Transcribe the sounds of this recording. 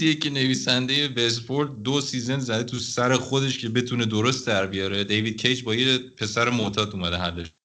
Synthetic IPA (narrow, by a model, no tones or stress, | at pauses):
jecʰene̞viːsænd̪eje̞vesfoɾd̪̚d̪osiːzenzæd̪et̪ʰusæɾe̞xo̞d̪e̞ʃcʰe̞be̞t̪ʰune̞d̪oɾost̪̚d̪æɾbijɒːɾe̞d̪ejvid̪̚cʰejd͡ʒbɒːjepʰe̞sæɾemot̪ʰɒːd̪umæd̪eɦælːeʃ